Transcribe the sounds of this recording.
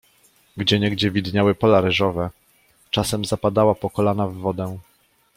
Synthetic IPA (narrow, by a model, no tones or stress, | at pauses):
ɡd͡ʑɛɲɛɡd͡ʑɛvʲid̪ɲawɘpɔlaɾɘʐɔvɛ | t͡ʂasɛmzapad̪awapɔkɔlanavːɔd̪ɛ